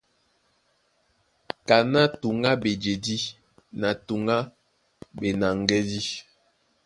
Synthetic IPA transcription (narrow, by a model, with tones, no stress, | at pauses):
ka˨na˦tu˨ŋa˦be˨d͡ʒe˨di˦ | na˨tu˨ŋa˦ | be˨na˨ŋ˦ɡɛ˦di˦